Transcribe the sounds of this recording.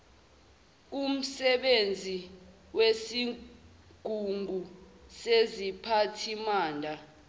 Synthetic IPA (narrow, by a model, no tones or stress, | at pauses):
k̬um̩sɛɓend͡zʱi | wesi | ɡ̥ʱuŋɡʱusezipʰatʰimaːndʱa